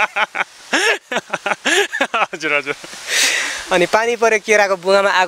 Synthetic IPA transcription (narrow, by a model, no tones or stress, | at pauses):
ʌd͡zuɾɦʌd͡zuɾ | ʌnipanipʌɾjokeɾakobuŋamaʔa